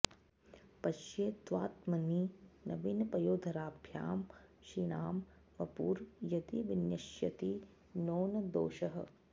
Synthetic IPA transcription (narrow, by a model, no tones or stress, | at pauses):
pɐʃjeːt̪ʋaːt̪mɐninɐ̰ʋinɐpɐjoːd̪ʱɐɾaːbʱja̰ːmʃinaːm | ʋɐpuːɾjɐt̪iʋinjɐʃjɐ̰t̪i | noːnɐd̪o̰ːʃɐɦɐ̰